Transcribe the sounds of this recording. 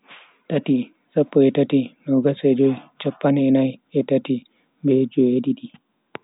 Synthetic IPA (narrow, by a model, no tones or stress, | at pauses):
tati | sapːɔɛtatinɔɡasɛd͡ʒɔjt͡ʃapːanɛnajɛtati | mbed͡ʒɔjedidi